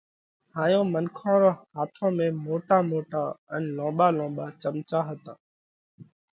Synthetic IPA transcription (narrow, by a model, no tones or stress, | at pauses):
haːjõːmənkʰõːɾoːɦaːt̪ʰõːmẽːmoːʈaːmoːʈaːənlõːɓaːlõːɓaːt͡ʃəmt͡ʃaːɦət̪ãː